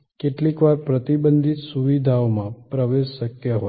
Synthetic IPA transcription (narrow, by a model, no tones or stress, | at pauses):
keʈlikʋaɾpɾət̪ibənd̪ʱit̪suʋid̪ʱaomãpɾəʋeʃːəkjaɦo